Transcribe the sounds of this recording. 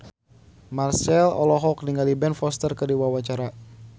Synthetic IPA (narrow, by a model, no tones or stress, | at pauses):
marsɛlɔ̰lɔɦɔkniŋɡalibɛnfɔst̪ərkədiwawat͡ʃaɾa